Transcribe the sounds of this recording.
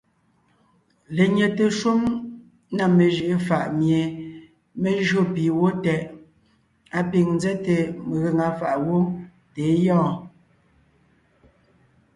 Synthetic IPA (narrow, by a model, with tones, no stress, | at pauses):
le˨ɲe˨te˨ʃu˦m | na˨me˨ʒi˨ʔe˦fa˨ʔmje˨ | me˦ʒɰo˦piː˨wo˦tɛ˨ʔ | a˦pi˨ŋn˦zɛ˦te˨me˨ɣe˨ŋa˨fa˨ʔwo˦ | te˨˦jɔ̃ː˦˨